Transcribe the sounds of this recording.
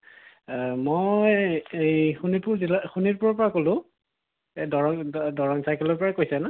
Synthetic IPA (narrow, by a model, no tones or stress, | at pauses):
mojejxunipuɹzilaxuniɹpʊɹɔɹpɔɹakolʊ̃ | dɔɹɔŋdɔɹɔŋsajkɛlɔɹpɔɹakojsɛna